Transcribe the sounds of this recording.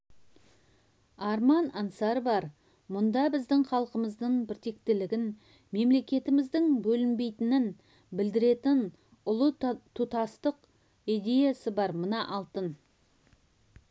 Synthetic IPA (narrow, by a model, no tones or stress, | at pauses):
ɑɾmɑnɑnsɑɾbɑɾ | mʊnd̪ɑbɪzd̪ɪŋχɑlˠqəməzd̪əɴbɪɾt̪e̞k̚t̪ɪlɪɡʲɪn | me̞mle̞kʲe̞t̪ɪmɪzd̪ɪŋbɵlɪnbe̞jt̪ɪnɪn | bɪld̪ɪɾe̞t̪ɪn | ʊlˠət̪ʰut̪ɑst̪əq | id̪ʲe̞jasəbɑɾmənɑʔɑlˠt̪ən